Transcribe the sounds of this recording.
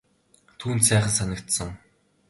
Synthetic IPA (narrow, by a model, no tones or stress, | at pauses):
t̪ʰuːnt̪sæːχə̆nsanə̆kt̪sə̆ŋ